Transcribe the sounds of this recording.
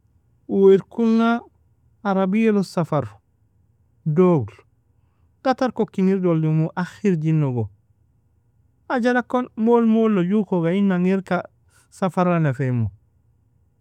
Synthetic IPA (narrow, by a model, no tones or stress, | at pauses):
wiɾkulnaː | ɾabielosafaɾ | doɡl | ɡ̥ataɾkokiŋiɾdoldimuʔaxiɾɟinːoɡo | aɟalakonmolmolːoɟukoɡainːaŋiɾka | safaɾanefemo